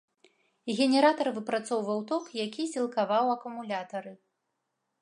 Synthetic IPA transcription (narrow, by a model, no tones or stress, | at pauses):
ɣʲɛnʲɛɾat̪ɐrvɨpɾat̪sɔwvɐwt̪ɔxjakʲisʲilˠkavawɐkumulʲat̪ɐɾɨ